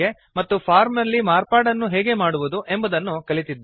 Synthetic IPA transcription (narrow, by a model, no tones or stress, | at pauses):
e | mɐt̪ːupʰaːɾmnɐlːimaːɾpaːɽɐnːuɦeːɡe̞maːɽuʋud̪uʔe̞mbɐd̪ɐnːukɐɭit̪id̪ː